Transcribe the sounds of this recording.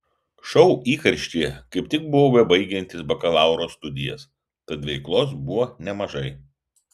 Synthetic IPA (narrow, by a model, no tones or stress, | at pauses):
ʃɔʊiːkɐɾʲʃʲt̪ʲiːkɐɪpt̪ʲɪk̚bʊʋoːʋʲɛbɐɪɡʲɛnʲt̪ʲɪsbɐkɐlˠɑˑʊɾoːst̪ʊd̪ʲɪjɛ̰s | t̪ɐt̪ʋʲɛɪklˠoːsbʊʋoːnʲɛmɐʒɐɪ